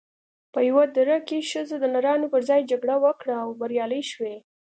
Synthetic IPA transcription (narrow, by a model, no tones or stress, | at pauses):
pəjawad̪ɾakeʃəzod̪ənaɾɑnopəɾzɑjd͡ʒaɡɽawəkɽaːwbaɾjɑləjʃwe